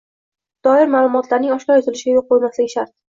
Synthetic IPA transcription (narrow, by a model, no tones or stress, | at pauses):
d̪̥ɒɪɾmaːlˠʊmɒt̪laɾnɪŋɒʃlʲɒjɒzɪlɪʃɪɡʲajoq̚ːojmaslɪɡʲɪʃaɾt̪̚